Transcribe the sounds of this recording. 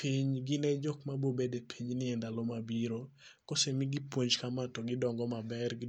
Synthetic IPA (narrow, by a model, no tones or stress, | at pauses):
piɲɡɪnɛd͡ʒɔkmabobedepʰiɲnɪɛndalomabiɾokosemɪɡɪpwoɲd͡ʒkamatɔɡɪdɔŋɡɔmabɛrɡ